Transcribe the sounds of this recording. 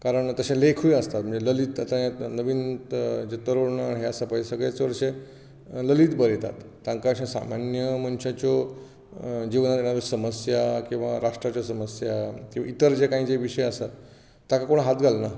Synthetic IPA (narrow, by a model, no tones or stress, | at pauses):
kaɾəɳt̪əɕẽlekʰujəst̪at̪̚m̤əɳd͡zeləliːt̪at̪anəʋiːnd͡ʑet̪əɾoɽɳaɦeəsapajd͡ʑesəɡɭjat͡sʋəɾɕe | ləliːt̪bəɾet̪a̰t̪ːãŋkaɕãsa̰manjəmənɕat͡ɕo | d͡ʑiʋnat̪jeñad̪əɾsəməsjakĩw̃ʋa̰ɾaʂʈɾat͡ɕjasəməsjakĩw̃ʋait̪əɾd͡ʑekaɦĩd͡zeʋiɕəjəsat̪ | t̪ːakakoɳ̃ɦat̪ɡʱalna